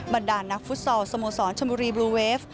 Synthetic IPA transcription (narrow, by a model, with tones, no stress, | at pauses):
ba˨˩ndaː˨˩nːa˦˥k̚fu˦˥t̪̚sɔː˧wsa˧moː˧˩sɔː˩˦nt͡ɕʰa˧mbuː˧ɾiː˧bluː˧weː˦˥f